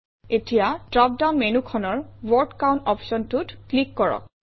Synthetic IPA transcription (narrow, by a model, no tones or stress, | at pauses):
etijadɹɔp̚daʊnmenukʰɔnɔɹwɔɹtkaw̃ntɔpsɔntutklikːɔɹɔ̰k̚